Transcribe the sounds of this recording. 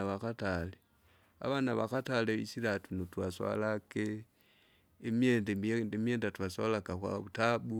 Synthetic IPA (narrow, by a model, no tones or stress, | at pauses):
aβakatale | a̰βanaβakataleḭsiɾatunotwaswa̰lake | mjendeemjeːndatwaswalakakwa̰βutaɓu